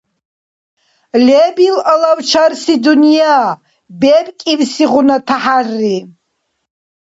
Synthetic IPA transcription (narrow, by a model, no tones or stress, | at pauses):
lebilalawt͡ʃʰarsidunija | bebʼkʼibsiʁʷʊnatʰaħarːi